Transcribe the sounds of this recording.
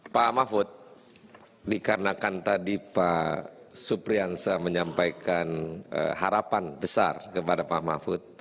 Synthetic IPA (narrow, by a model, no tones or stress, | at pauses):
pamafʊt̪̚ | dikaɾənakant̪adipa | supɾiansaməɲampajkanə̰ɦaɾapanbəsa̰rkəpadapamafʊt̪̚